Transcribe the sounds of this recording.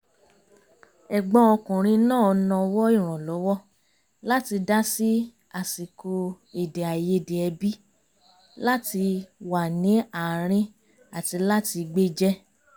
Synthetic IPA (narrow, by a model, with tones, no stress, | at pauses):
ɛ˨ɡ͡bɔ̃˨˧˦ɔ˧kũ˨ɾ̃ĩ˧nãː˦˨ɔ˧nɔ̃˧wɔ˦i˦˨ɾ̃ɔ̃˨lɔ˨˦wɔ˦ | la˦ti˧da˦si˦ | a˨si˨ko˧ | e˨de˨a˨je˧˨de˨ɛ˧bi˦ | la˦ti˧wa˨nĩ˨˦a˨ɾ̃ĩ˦ | a˨ti˧la˦ti˧ɡ͡be˦d͡ʒɛ˦